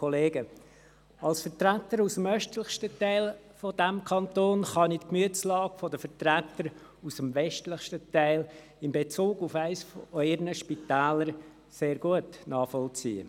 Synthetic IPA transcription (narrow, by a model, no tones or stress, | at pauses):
ɔleːɡə | ɑlsfəɾtɾætːəɾusəmœʃtləχʃtətæɪl | fod̥æmkʰɑnt̪oːnχɑnɪtkmyətt͡slɑːɡfɔdəfəɾtɾæt̪ːəɾ | usəmvɛʃtləχʃtətæɪl | ɪmbet͡suːɡʊfæɪsfœɪɾnəʃpitæːləɾ | seːɾɡuətnɑːχfɔlt͡sḭːə̰